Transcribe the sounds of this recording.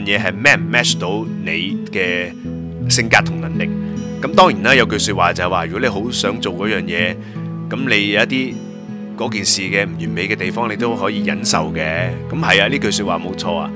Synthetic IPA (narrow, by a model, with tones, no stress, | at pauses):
njɛː˨˧ɦɐ˨jmɛː˥˩m̩˨˩mɛː˥t͡ʃt̪o˨˥wne˨˧jkɛː˧ | sɪ˧ŋkaː˧t̪̚ʰʊ˨˩ŋlɐ˨˩nlɪ˨k̚ː | ɐ˨˥mt̪ɔː˥ŋjiː˨˩naː˥jɐ˨˧wkɵ˧ɥsyː˧t̚waː˨t͡sɐ˨hɐ˨jwaː˨ɥy˨˩kɔ˨˥e˨˧jɦo˨˥wsœː˨˥ŋt͡so˨wkɔː˨˥jœː˨ŋjɛː˨˧ | kɐ˨˥mne˨˧jjwɐ˥t̪iː˥ | kɔː˨˥kiː˨nsiː˨kɛː˧m̩˨˩jyː˨˩nme˨˧jkɛː˧t̪e˨jfɔː˥ŋle˨˧jt̪o˥wɦɔː˨˥jiː˨˧jɐ̰˨˥nsɐ̰˨wkɛː˧kɐ˨˦mhɐ˨ja˧liː˥kɵ˧syː˧t̚waː˨mo˨˧˥wt͡ʃʰɔː˧a̰ː˧